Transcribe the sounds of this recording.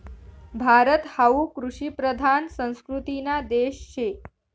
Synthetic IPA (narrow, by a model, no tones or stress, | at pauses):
bʱaɾət̪haukɾuʂipɾəd̪ʱansə̃w̃skɾut̪inad̪eʃt͡ɕʰe